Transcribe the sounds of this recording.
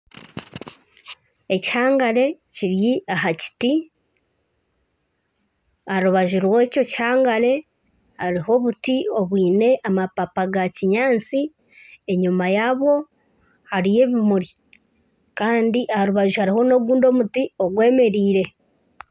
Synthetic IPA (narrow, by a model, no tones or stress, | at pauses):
e̞ci̥haːŋɡale̞ciɾjiaɦaci̥ti | aɾuβaʒuɾwe̞ːco̞ci̥haːŋɡaɾe̞ | haɾiɦo̞βutio̞βwiːne̞ʔamapapaɡaciɲaːnt͡si | e̞ɲumajaːβwo̞ | haɾije̞ːβimuɾi | kaːndiʔahaɾuβaʒuhaɾiho̞no̞ɡuːndo̞ːmutio̞ɡwe̞ːme̞ɾiːɾe̞